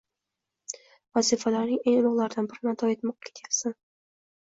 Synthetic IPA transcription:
vazifalaɾnɪŋeŋʊlɒʁlaɾd̪anbɪɾɪnat̪ʰɒjet̪mɒq̚kʲʰe̥t̪ʰelsɪn

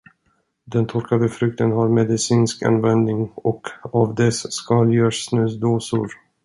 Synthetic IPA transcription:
d̪ɛnt̪ʰɔɾkad̪əfɾɵk̚t̪ənɦaɾmɛd̪ɪsiːnska̰nvɛnd̪nɪŋɔkavd̪ɛsːkɑljœːʂːnʉ̟ːsd̪oːsʊɾ

